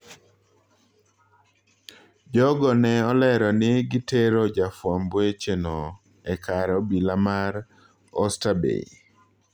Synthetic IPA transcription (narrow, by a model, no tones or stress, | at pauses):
d͡ʒɔɡɔnɛɔlɛɾɔnɪɡɪteɾɔd͡ʒafwambet͡ʃeno | ɛkʰaɾɔbilamaɾ | ɔ̰stabḛḭ